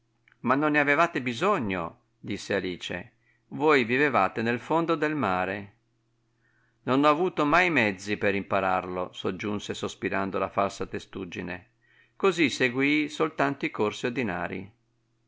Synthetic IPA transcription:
manːonːeavevaːt̪ebizoɲːo̰ | d̪isːealiːt͡ʃḛ | vojvivevaːt̪enelfond̪od̪elmaːɾe | nonɔavuːt̪omajmɛd̪zːipeɾimpaɾa̰rlosod͡ʒːunsesospiɾand̪olafalsat̪est̪ud͡ʒːinḛ | koziseɡwisolt̪ant̪oikorsiod̪ina̰ːɾḭ

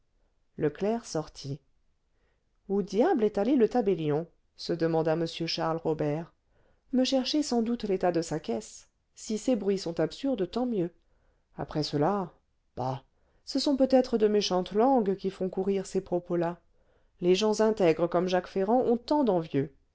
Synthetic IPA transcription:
ləklɛʁsɔʁt̪ʰi | od̪jablɛt̪alelət̪abeljɔ̃ | səd̪əmɑ̃d̪aməsjøʃaʁlʁɔbɛʁ | məʃɛʁʃesɑ̃d̪ut̪let̪ad̪əsakʲɛsː | isebʁɥisɔ̃t̪apsyʁd̪t̪ɑ̃mjø | a̰pχɛsəla | b̥a̰ | səsɔ̃pøt̪ɛt̪χəd̪əmeʃɑ̃t̪lɑ̃ɡkʲifɔ̃kuʁiʁsepχɔpola | leʒɑ̃zɛ̃t̪ɛɡʁəkɔmʒakfeʁɑ̃ʔɔ̃t̪ɑ̃d̪ɑ̃vjø

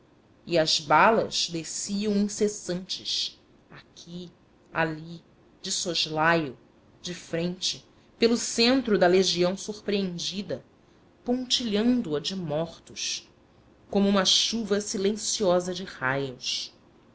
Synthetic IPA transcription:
iɐzbalɐ̰z̥d̪esiɐ̃w̃ĩsesɐ̃nt͡ʃɪʃ | akʲʰi | a̰li | d͡ʒɪsoʒlajʊ | d͡ʒɪfɾẽnt͡ʃɪ | pelʊsẽnt̪ɾʊd̪ɐleʒiɐ̃w̃suχpɾeẽnd͡ʒid̪ɐ | põnt͡ʃiʎɐ̃nd̪ʊɐd͡ʒɪmɔχt̪ʊʃ | kõmʊũmɐʃuvɐsilẽsiɔzɐd͡ʒɪhajʊs

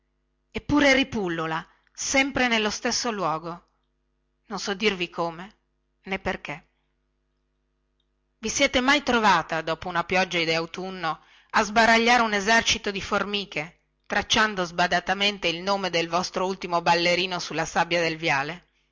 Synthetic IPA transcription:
epːuːɾeripulːola | sɛmpɾenelːost̪esːolwɔːɡo | nonsɔd̪ːirvikʰoːme | nepːerke | visjɛːt̪emajt̪ɾovaːt̪ad̪ɔːpounapjɔd͡ʒːaed̪eawt̪unːo | azbaɾaʎːaːɾeunezɛrt͡ʃit̪od̪iformiːke | t̪ɾat͡ʃːand̪ozbad̪at̪ament̪eilnoːmed̪elvɔst̪ɾoult̪imobalːeɾiːnosulːasabːjad̪elvjaːle

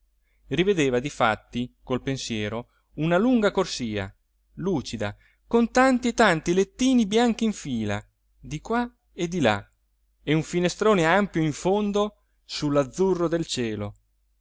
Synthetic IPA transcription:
rived̪eːvad̪ifa̰t̪ːikolpensjɛːɾo | unaluŋɡakorsiːa̰ | luːt͡ʃid̪a̰ | kont̪ant̪iet̪ant̪ilet̪ːiːnibjaŋk̟iiɱfiːla̰ | d̪ikwa | ed̪ila̰ | euɱfinest̪ɾoːneampjoiɱfond̪o | sulːad̪zːurːod̪elt͡ʃɛːlo

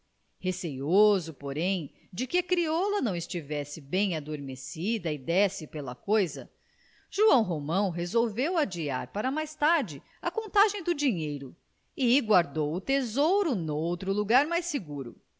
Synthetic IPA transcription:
hesejozʊpoɾẽj̃ | d͡ʒɪkɪɐkɾiɔlɐnɐ̃w̃ɪst͡ʃivɛsɪbẽj̃ad̪oɾmesid̪ɐɪd̪ɛsɪpelɐ̰kojzɐ̰ | ʒ̥uɐ̃w̃ɦomɐ̃w̃ɦezowvewad͡ʒia̰ɾpaɾɐmajst̪aɾd͡ʒɪ | ɐkõnt̪aʒẽj̃d̪ʊd͡ʒiɲejɾʊ | ɪɡwaɾd̪owʊt̪ezowɾʊnowt̪ɾʊluɡaɾmajseɡuɾʊ̰

